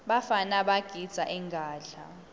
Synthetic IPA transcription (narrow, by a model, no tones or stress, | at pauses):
ɓafanaɓaɡ̥ʱid̥z̥ʱaʔɛŋɡʱaːɮa̰